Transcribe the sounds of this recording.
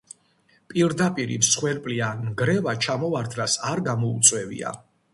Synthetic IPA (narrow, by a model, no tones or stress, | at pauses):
pʼiɾd̪apʼiɾḭmsχwɛɾpʼlianɡɾɛvat͡ʃʰamɔvaɾd̪ɾasaɾɡamɔut̪sʼwɛvḭa̰